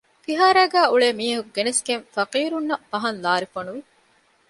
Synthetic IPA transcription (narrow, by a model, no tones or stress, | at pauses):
fiɦaːɾæːɡæːuɭeːmiːɐɦukɡenesɡenfɐqiːɾunːɐbɐɦɐnlaːɾifɐnuʋi